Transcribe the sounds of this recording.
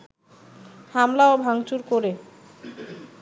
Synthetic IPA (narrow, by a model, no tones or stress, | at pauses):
hamlaobʱaŋt͡ɕuɾkoɾe